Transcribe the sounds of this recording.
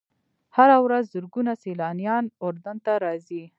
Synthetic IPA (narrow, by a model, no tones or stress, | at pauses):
haɾawɾazːʊɾɡunaselɑnijɑnʊɾd̪ant̪aɾɑzi